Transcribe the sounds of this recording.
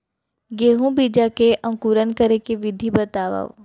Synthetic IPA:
ɡeːɦũbiːd͡ʒakeʔə̃ŋkuːɾənkəɾekeʋɪd̪ʱibət̪aːʋa̰

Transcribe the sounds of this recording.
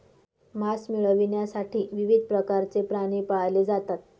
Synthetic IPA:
masmiɭəʋinjasaʈʰiːʋiʋid̪̚ʱpɾəkaɾt͡sepɾaɽ̃iːpaled͡zat̪at̪̚

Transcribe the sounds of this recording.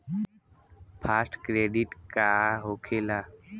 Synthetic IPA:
pʰaːsʈkɾeːɖɪʈkaɦokʰeːla

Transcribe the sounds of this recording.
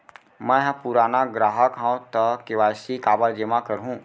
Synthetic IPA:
mɛ̃ɦpuɾaːnaɡɾaːɦəkɦãt̪əkeʋaːsikaːbəɾd͡ʒemakəɾɦũː

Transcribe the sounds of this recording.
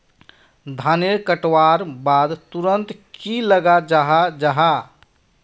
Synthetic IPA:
d̪ʱaneɾkəʈwaɾbad̪t̪uɾənt̪kiləɡad͡ʒaɦad͡ʒaɦa

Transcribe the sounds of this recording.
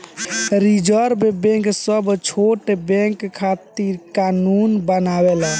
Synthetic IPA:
ɾid͡ʒəɾmebẽŋksəbt͡ʃʰoʈebẽŋkkʰːat̪iɾkanunbənawela

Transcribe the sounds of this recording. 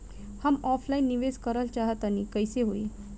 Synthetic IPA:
hamɔflainːiʋed͡zkəɾəlt͡ɕaɦət̪aniːkəjseɦoe

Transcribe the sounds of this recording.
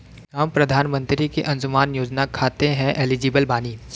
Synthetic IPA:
ɦɐmpɾɐd̪ʱaːnmə̃nt̪ɾikeʔɐ̃nzʊmaːnjoːd͡ʒnakʰaːt̪eɦɛ̃ʔeːlɪd͡ʒɪːbəlbaːniː

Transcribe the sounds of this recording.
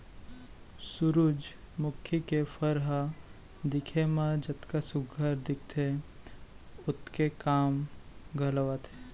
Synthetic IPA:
sʊɾud͡ʒ | mʊkʰːjikefʰəɾɦə | d̪ɪkʰemãd͡ʒət̪kasʊɡʱəɾd̪ɪk̚ʰt̪ʰe | ʊt̪kekaːmɡʱəlʋat̪ʰe

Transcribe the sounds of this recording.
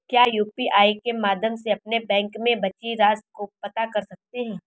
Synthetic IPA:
kjaːjuːpiʔaːikemaːd̪ʱjəmseɐpnebɛ̃ːŋkmẽbɐt͡ʃiɾaːs̚kopɐt̪akɐɾsɐk̚t̪eɦɛ̃ː

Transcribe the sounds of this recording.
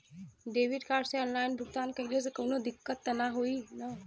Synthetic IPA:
ɖeʋiɖkaɖseɔnlajnbʱukt̪ankəjled͡zəkənod̪ikːət̪ːənaɦoiːna

